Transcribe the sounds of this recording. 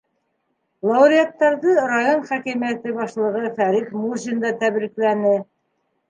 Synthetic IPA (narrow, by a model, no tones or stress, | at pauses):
lˠɑwɾʲiat̪ːɑɾðɤrajonχækimijæt̪ɘbɑʃlˠɤ̆ʁɤfæɾikmuzind̪ɑt̪æβɾiklænɘ